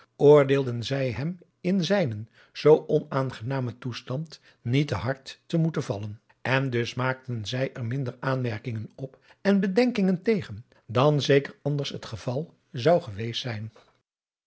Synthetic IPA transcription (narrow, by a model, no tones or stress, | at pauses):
ʔʊːɹdeːlˠdənzɛjɦɛm | ɪnzɛjnən | z̥owʔɔnaːnχənaːmətustɑnt | nitəɦɑɹtːəmutənvɑlən | ʔɛndɵsmaːk̚tənzɛjʔɛɹmɪndəɹaːnmɛɹkɪŋənɔp | ɛnbədɛŋkɪŋəntejχən | dɑnzejkəɹɑndəɹsɦətχəvɑlˠ | zɑwχəʋejstsɛjn